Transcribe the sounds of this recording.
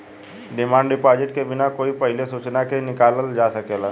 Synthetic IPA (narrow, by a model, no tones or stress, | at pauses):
ɖɪmaːɳɖɪpaːd͡ʒɪʈkebɪnakoːipəɦɪlesuːt͡ʃnakenɪkaːləld͡ʒaːsəkeːlaː